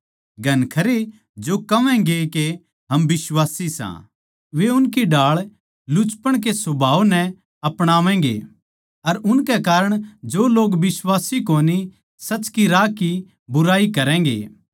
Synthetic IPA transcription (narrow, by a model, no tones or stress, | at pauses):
ɡʱɐnkʰɐɾe | d͡ʒokɐʋɛ̃ɡeke | ɦɐmbɪswaːsisã̰ | ʋeʊnkiɖaːɭ | lʊt͡ʃpəɽ̃k̬esʊbʱaːʋnɛ | ɐpɽ̃aːʋɛ̃ːɡḛ | ɐɾʊnkɛkaːɾəɽ̃d͡ʒoːloːɡʋɪswaːsikoːni | sɐt͡ʃkiɾaːki | bʊɾaːikɐɾɛ̃ːɡḛː